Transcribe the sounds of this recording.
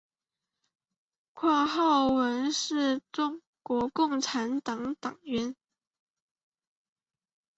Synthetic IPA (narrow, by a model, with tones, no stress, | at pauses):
kʰwa˥˧xɑ˥˩ʊwə˧˥nʂɻ̩˥˩ʈ͡ʂʊ˥˧ŋ | kwɔ˧˥kʊ˥˩ŋʈ͡ʂʰa˧˥nt̪ɑ˨˩ŋt̪ɑ˨˩ŋɥɛ˧˥n